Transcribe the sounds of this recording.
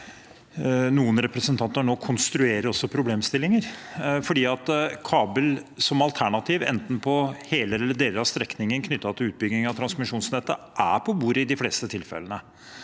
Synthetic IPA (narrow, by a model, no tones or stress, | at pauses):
nuːənɾɛpɾəsənt̪ʰɑnt̪əɳoːkʰʊnst̪ɾʉeːɾəɾɔsːɔpʰɾʊbleːmst̪ɪlːɪŋəɾfɔɖiːɑt̪kʰɑːbəlsɔmɑlt̪ʰæɳɑt̪ʰiːʋɛ̰nt̪n̩pʰɔheːləɛlːəɖeːləɑst̪ɾɛknɪŋənkʰnʏt̪ːɑt̪ʰɪlʉːt̪̚bʏɡnɪŋɑʋt̪ʰɾɑnsmɪʂuːnsnɛt̪ːəʔæpʰɔbuːɾəɪd̪ɪfleːst̪ət̪ʰɪlfɛ̰lənə